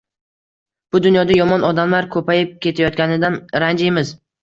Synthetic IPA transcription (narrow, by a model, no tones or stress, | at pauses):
b̥ʊd̪ʊnjɒd̪ajɒmɒnɒd̪amlaɾkʰɵpʰajɪp̚kʲʰe̞t̪ʰajɒt̪̚ɡʲanɪd̪anɾand͡ʒɪjmɪz